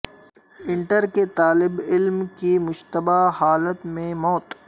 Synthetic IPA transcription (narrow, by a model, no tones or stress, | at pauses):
ɪ̃ɳʈəɾket̪aːlɪbɪlmkimʊʃt̪əbahaːlət̪mẽmɔːt̪